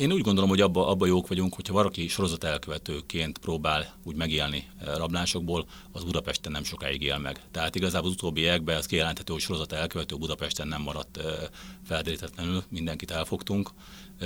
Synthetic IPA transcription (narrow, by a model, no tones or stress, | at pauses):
eːnuːɟɡo̞nd̪olomɦo̞ɟɒbːɒʔɒbːɒjoːkʋɒɟuŋkho̞cʰhɒvɒɾɒkiʃo̞ɾo̞zɒt̪ɛlkøvɛt̪øːkeːnt̪proːbaːluːɟmɛɡeːlnirɒblaːnʃo̞ɡboːl | ɒzbud̪ɒpɛʃt̪ɛnɛmʃo̞ka̰ːjiɡeːlmɛ̰ɡt̪ɛɦaːt̪iɡɒzaːbolzut̪oːbːieɛɡ̚bɛɒskijɛlɛnt̪hɛt̪øːhocʃo̞ɾo̞zɒt̪ɛlkøvɛt̪øːbud̪ɒpɛʃt̪ɛnɛmːɒɾɒt̪ːfɛld̪eɾit̪ɛt̪lɛnylmind̪ɛŋkit̪ɛlfo̞kt̪uŋk